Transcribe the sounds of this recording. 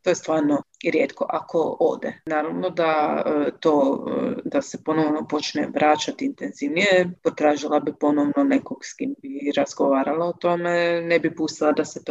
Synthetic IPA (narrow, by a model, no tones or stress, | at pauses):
t̪ojest̪ʋaːɾnoɾjeːt̪ko̞̰ʔakʰo̞o̰ːd̪ḛnaːɾaʋno̞d̪at̪o̞̰ːd̪asepo̞no̞ʋnopo̞t͡ʃnḛʋɾaːt͡ʃat̪int̪enziʋnijepot̪ɾaːʒilˠabipo̞noʋnone̞koɡskimbiɾazɡoʋaːɾalaot̪o̞menebipuːst̪ilˠad̪aset̪o